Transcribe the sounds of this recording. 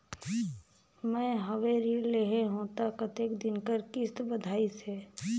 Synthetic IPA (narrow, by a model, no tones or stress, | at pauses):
mɛ̃ːɦəʋeɾileɦeɦũt̪akət̪ekd̪ɪnkəɾkɪst̪bəd̪ʱaːise